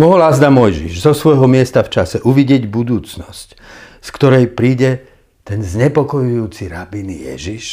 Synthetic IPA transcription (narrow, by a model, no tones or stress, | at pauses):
mɔɦɔlazd̪amɔjʒḭʒzɔsʋɔjɦɔmɪɛst̪aft͡ʃasɛʔuʋiɟɪɛɟbud̪uːt͡snɔsc | skt̪ɔɾɛjpɾiːɟɛ | t̪ɛnzɲɛpɔkɔjujuːt͡siɾabinḭjɛ̰ʒiʃ